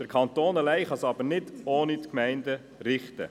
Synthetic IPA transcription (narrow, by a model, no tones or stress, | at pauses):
d̥əɾkʰɑnt̪oːnəlɛɪχɑsɑbəɾnɪdoːnit̪kmɛɪndə | ɾɪχt̪ə̰